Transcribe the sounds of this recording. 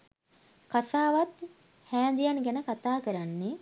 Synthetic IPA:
kasaːʋat̪ | hæːnd̪ijanɡænəkat̪aːkəɾanːe

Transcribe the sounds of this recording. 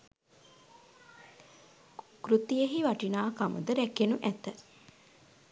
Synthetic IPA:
kɾut̪ijeɦiʋaʈinaːkamṵd̪əɾɛkenuʔæt̪ə

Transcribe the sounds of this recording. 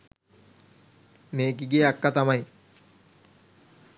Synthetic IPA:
neːkiɡeːakːat̪amaj

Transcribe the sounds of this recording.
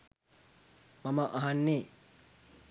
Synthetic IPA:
mɐməʔɐɦanːeː

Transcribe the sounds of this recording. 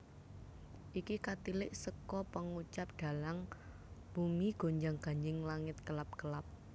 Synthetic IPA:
ʔikikat̪ilɪʔsəkɔpəŋut͡ʃap̚ɖ̪̥ä̤laŋ | b̥umiɡ̥o̤ɲd͡ʒaŋɡ̥a̤ɲd͡ʒɪŋlaŋɪt̪̚kəlap̚kəlap̚

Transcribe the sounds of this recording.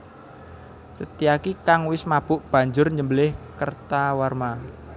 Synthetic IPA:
sət̪iakikaŋwɪsmab̥ʊʔb̥a̤ɲd͡ʒʊrɲəmbəlɪhkərt̪awarma

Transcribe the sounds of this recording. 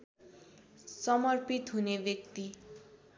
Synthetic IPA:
sʌmʌrpit̪ɦunebjʌk̚t̪i

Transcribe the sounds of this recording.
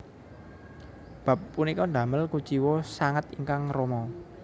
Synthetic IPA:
b̥ä̤pːunikɔnɖ̪a̤məlkut͡ʃiwɔsaŋət̪iŋkaŋromɔ

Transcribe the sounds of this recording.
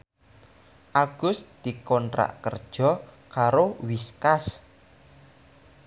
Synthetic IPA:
ʔaɡ̥ʊ̤sd̪̥i̤kɔntɾa̰ʔkərd̥ʒ̥ɔ̤ | kaɾowiskas

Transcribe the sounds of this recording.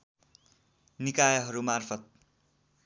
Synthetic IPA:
nikajʌɦʌɾumarpʰʌt̪̚

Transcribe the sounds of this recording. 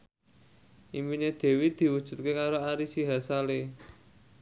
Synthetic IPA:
ʔimbined̪̥e̤wid̪̥i̤wud̥ʒ̥ṳt̪̚kekaɾoaɾisiɦasale

